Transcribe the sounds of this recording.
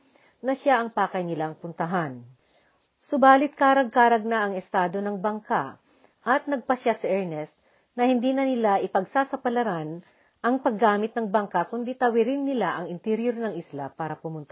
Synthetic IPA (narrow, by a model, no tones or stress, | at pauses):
nɐʃjaʔɐŋpaːkɐjnɪlaŋpʊnt̪ɐɦan | sʊbaːlɪt̪̚kaːɾɐɡ̚kaːɾɐɡ̚naʔɐŋɛst̪aːd̪o̞nɐŋbɐŋka | ʔɐt̪̚nɐɡ̚pɐʃjasɐʔɛɹnɛst̪̚ | nɐhɪnd̪iːnɐnɪlaʔɪpɐɡsaːsɐpɐlɐɾan | ʔɐŋpɐɡːaːmɪt̪̚nɐŋbɐŋkakʊnd̪it̪ɐwɪɾɪnːɪlaʔɐŋɪnt̪ɛɾjoɾnɐŋɪslapaːɾɐpʊmʊnt̪ɐ